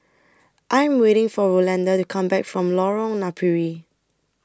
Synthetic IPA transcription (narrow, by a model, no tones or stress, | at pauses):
ʔãjɛ̃mweɾɪ̃ŋfɔɹolɛ̃ndatukʰãmbɛkfɹɔ̃mlɔɹɔ̃ŋnapʰiɹi